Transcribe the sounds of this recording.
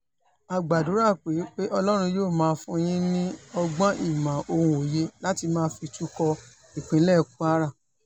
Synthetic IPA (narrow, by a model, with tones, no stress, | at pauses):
a˨ɡ͡ba˨du˨˦ɾa˦˨k͡pe˨˦k͡pe˦ʔɔ˧lɔ˦ɾ̃ũ˧joː˦˨mãː˦˧fũ˧j̃ĩ˦nĩ˦ɔ˧ɡ͡bã˦ʔi˦˨mã˨ʔo˧ɾ̃ũ˧o˨je˦la˦ti˧mãː˦fi˧tu˦kɔ˧ | i˨k͡pĩ˨˦lɛ˦˧ku˦a˦ɾa˦˨